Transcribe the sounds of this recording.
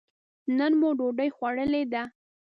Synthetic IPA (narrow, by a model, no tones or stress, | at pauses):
nənmoɖoɖəjxwaɽəled̪a